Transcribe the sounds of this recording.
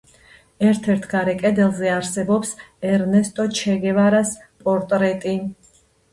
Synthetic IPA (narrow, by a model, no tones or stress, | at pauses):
ɛɾt̪ʰɛɾt̪ʰɡaɾɛkʼɛd̪ɛlˠzɛaɾsɛbɔpsɛɾnɛst̪ʼɔt͡ʃʰɛɡɛvaɾas | pʼɔɾt̪ʼɾɛt̪ʼi